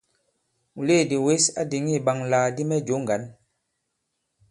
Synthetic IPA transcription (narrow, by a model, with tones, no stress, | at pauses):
mu˨le˦˨di˨we˦sa̰˦di˨ŋi˦˨ɓa˨ŋlaː˨di˦mɛ˦d͡ʒo˨˦ŋɡa˨˦n